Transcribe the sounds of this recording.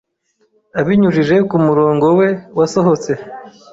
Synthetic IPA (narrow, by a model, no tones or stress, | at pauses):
aβiɲuʒiʒe̞kumuɾo̞ːŋɡo̞we̞waso̞ɦo̞t͡se̞